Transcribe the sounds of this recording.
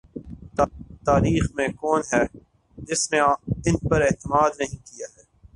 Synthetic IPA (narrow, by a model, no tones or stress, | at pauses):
t̪t̪aːɾiːxmẽkɔːnɦɛː | d͡ʒɪsnẽɪnpɐɾɛɦt̪ɪmaːd̪nɐɦĩkijaɦɛː